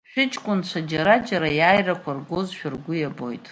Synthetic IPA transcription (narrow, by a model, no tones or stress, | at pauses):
ʃᶣɪt͡ʃʼkʷʼʊnt͡ʃʷʰad͡ʒaɾad͡ʒaɾajaːjrakʷʰarɡʷozʃᶣʊrɡʷʊjabo̞̰jtʼ